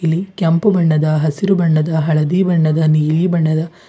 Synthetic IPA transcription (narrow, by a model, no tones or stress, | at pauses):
ilikɐmpubɐɳːɐd̪ɐɦɐsiɾubɐɳːɐd̪ɐɦɐɭɐd̪iːbɐɳːɐd̪ɐniːliːbɐɳːɐd̪ɐ